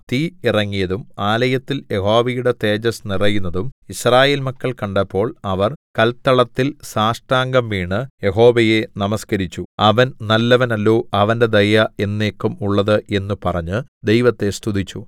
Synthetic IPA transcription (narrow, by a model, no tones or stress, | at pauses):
t̪iirɐŋːijɐðumaːlɐjɐt̪ːilje̞ɦo̞ːʋɐjuɽe̞t̪e̞ːd͡ʑɐsnirɐjunːɐðumiɕraːje̞ːlmɐkːɐɭkɐɳɖɐpːo̞ːɭɐʋɐrkɐlt̪ːɐɭɐt̪ːilsaːʂʈaːŋɡɐmʋiːɳɨje̞ɦo̞ːʋɐje̞nɐmɐskɐɾit͡ɕːuɐʋɐnnɐlːɐʋɐnɐlːoːʔɐʋɐnde̞d̪ɐjɐe̞nːe̞ːkːumuɭːɐðɨʔe̞nːupɐrɐɲːɨd̪e̞jʋɐt̪ːe̞st̪ud̪it͡ɕːu